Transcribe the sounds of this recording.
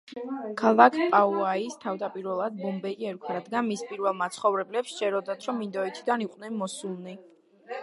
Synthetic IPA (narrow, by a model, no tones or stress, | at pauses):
kʰalˠakʰpʼauaist̪ʰavd̪apʼiɾvɛlˠad̪̚bɔmbɛiɛɾkʰwaɾad̪ɡanmispʼiɾvɛlˠmat̪sʰχɔvɾɛblɛpsʃɛɾɔd̪at̪ʰɾɔmind̪ɔit̪ʰid̪aniqʼnɛnmɔsulˠni